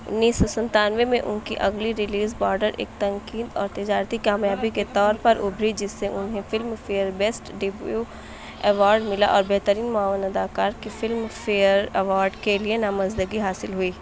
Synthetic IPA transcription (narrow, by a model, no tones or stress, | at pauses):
ʊ̰nːiːsːɔsɐ̃nt̪aːnʋemẽʔʊ̰nkiʔɐɡliɾɪliːzbɔːɾɖəɾʔḛːk̚t̪ɐ̃ŋkiːd̪ɔːɾt̪ɪd͡ʒaːɾt̪ikaːmjaːbiket̪ɔːɾpɐɾʔʊbʱɾid͡ʒɪsːeʔʊnɦẽfɪlmfeːəɾbeːsʈɖɪbju | ɛʋaːɾɖmɪla̰ʔɔːɾbɛɦt̪əɾiːnmaːʋnɐd̪aːkaːɾkifɪlmfeəɾɛʋaːɾɖkelienamɐzd̪əɡiɦaːsɪlɦuiː